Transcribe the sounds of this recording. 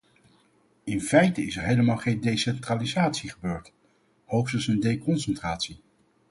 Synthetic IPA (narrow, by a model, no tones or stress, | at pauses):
ɪnfɛjtəɪsɛɹɦejləmaːlˠχejndejsɛntraːlizaːtsiχəbøːɹt | howχstəsəndejkɔnsɛntraːtsi